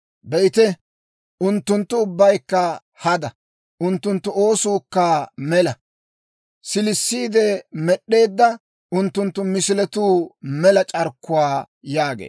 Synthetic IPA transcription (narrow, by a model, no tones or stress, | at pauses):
bɛɪt̪ɛ | ʔʊnt̪ːʊnt̪ːʊːʊbːɐjkːɐ | hɐd̪ɐ | ʔʊnt̪ːʊnt̪ːʊo̞ːsuːkːɐmɛlɐ | sɪlɪsːiːd̪ɛmɛɗːe̞ːd̪ːɐ | ʊnt̪ːʊnt̪ːʊmɪsɪlɛt̪uːmɛlɐt͡ʃʼɐɾkːʊwaː | jaːɡḛː